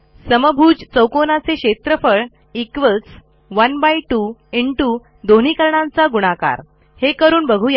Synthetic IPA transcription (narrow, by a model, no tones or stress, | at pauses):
səməbʱuːd͡ʑt͡səwkonat͡seɕet̪ɾəfəɭ | ikʋət͡s | ʋənbaiʈuiɳʈu | d̪oɳ̤̃ikəɾɳãnt͡saɡuɽ̃aka̰ɾ | hekəɾuːnbəɡʱuja